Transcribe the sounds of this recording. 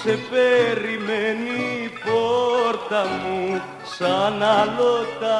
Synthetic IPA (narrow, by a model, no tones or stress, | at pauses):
sepeɾimenipoɾt̪amu | sanalot̪a